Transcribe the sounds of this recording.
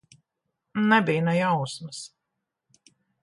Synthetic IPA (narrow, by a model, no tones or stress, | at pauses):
nɛbʲijnɛjawsmɨs